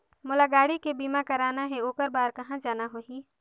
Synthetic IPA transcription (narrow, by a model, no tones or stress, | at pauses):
mʊlaɡaːɽikebiːmakɐɾaːnaɦɛoːkəɾbaːɾkɐɦãd͡ʒaːnaɦoːɦiː